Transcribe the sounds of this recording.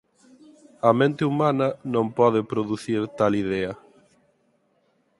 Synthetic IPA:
ɐmẽnt̪ɪumanɐnõmpɔðɪpɾoðuθiɾt̪aliðɛɐ

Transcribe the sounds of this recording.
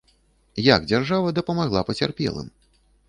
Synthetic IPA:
ja̰ɡ̚d͡zʲarʐavɐd̪ɐpɐmaɣlˠapɐt͡sʲarpʲɛ̰lˠɨ̰m

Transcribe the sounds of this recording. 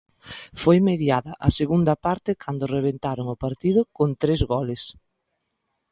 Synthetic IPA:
fojmeðjaðɐʔɐseɣund̪ɐpaɾt̪ɪkʰand̪ʊreβ̞ent̪aɾoŋʊpaɾt̪iðʊkont̪ɾezɣɔlɪs

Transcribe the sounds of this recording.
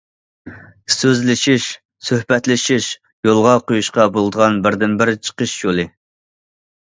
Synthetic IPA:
søzlɪʃiʃ | søhbɛt̪lɪʃiʃ | jolˠʁɑqʰojuʃqɑbolˠd̪əʁɑnbɪɾd̪ɪnbɪɾt͡ʃʰə̥qʰəʃjolˠɨ

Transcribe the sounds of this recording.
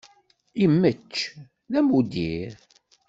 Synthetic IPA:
imːət͡ʃː | ðæmud̪iɾ

